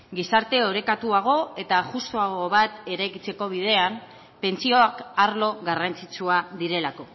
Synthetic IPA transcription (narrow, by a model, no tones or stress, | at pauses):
ɡisaɾt̪e̞o̞ɾe̞kat̪uaɣ̞o̞e̞t̪aʝust̪oaɣo̞βat̪e̞ɾajkit͡se̞ko̞β̞ið̞e̞am | pe̞nt͡sio̞akaɾlo̞ɣarant͡sit͡suaðiɾe̞lako̞